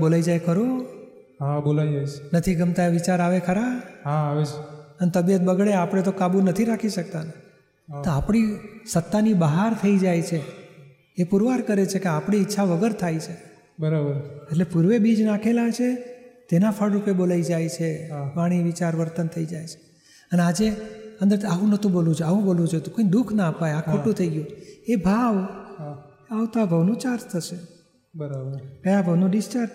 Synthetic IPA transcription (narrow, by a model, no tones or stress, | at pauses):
bolaid͡ʒajkʰəɾo | ɦãbolaid͡ʒajt͡ʃʰnət̪ʰiɡəmt̪aʋit͡ʃaɾaʋekʰəɾabɦãːʋet͡ʃənt̪əbijət̪̚bəɡɭeapɽ̃et̪okabunət̪ʰiɾakʰiʃək̚t̪ane | oapɳ̃isət̪ːanibaɦaɾt̪ʰəid͡ʒajt͡ʃʰeː | puɾʋaɾkəɾet͡ʃʰekeapɳiːtːʃʰaʋəɡəɾt̪ʰajt͡ʃʰe | bəɾabəɾeʈlepuɾʋebid͡ʒnakʰelat͡ʃʰet̪enafʰəɽɾupebolaid͡ʒajt͡ʃʰepaɽ̃iʋit͡ʃaɾʋəɾt̪ənt̪ʰəid͡ʒajt͡ʃʰe̥ | ənead͡ʒeə̃nd̪əɾt̪ʰaʋũnət̪ʰũbolũd͡ʒʰoaʋũbolũd͡ʒot̪ũkoid̪ukʰnaəpajãkʰokʈũt̪ʰəiɡjũebʱaʋ | aʋt̪oabʱəʋnũt͡ʃaɾd͡ʒt̪ʰəʃe | bəɾabəɾkəjabʱəʋnũɖɪst͡ʃaɾ